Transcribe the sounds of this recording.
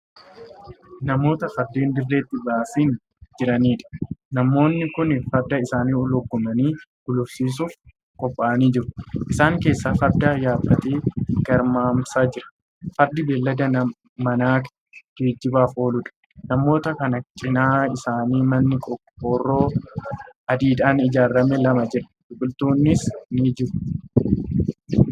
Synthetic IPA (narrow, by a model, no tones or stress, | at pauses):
nɐmo̞ːt̪ɐfɐɾd̪iːnd̪ɪrːeːt̪ːɪbaːfin | d͡ʒɪɾɐniːᶑɐ̥nɐmːo̞ːnːɪkʊnfɐɾd̪ːɐɪsaːniːɔlɔɡːʊmɐniːɡ̥ʊlʊfsiːs̬ʊf | kʼɔpʼːaːɐniːd͡ʒɪɾʊ̥ʔɪsaːŋke̞ːsːaːfɐɾd̪ɐjaːbɐt̪eːɡɐɾmaːmsaːd͡ʒɪɾɐ̥ | fɐɾd̪ɪbeːlːɐd̪ɐnɐ | mɐnaːk | ɡ̥eːd͡ʒːɪbaːfo̞ːlʊᶑɐ̥ | nɐmːo̞ːt̪ɐkɐnɐt͡ʃʼɪnaːɪsaːniːmɐnːɪkʼɔkʼːoːrːo̞ː | ɐd̪iːd̪aːnɪd͡ʒaːrːɐmɛlɐmɐd͡ʒɪɾɐ̥d̪ʊkʼʊlt̪uːnːɪsniːd͡ʒɪɾʊ̥